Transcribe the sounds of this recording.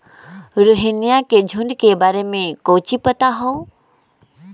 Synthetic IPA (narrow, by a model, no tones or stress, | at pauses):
ɾʊɦɪnijaked͡ʒʱuɳɖkebaːɾemẽkoːt͡ʃipət̪aɦɔ